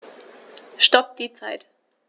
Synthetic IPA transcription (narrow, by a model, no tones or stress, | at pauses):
ʃtɔp̚d̥iːt͡saɪt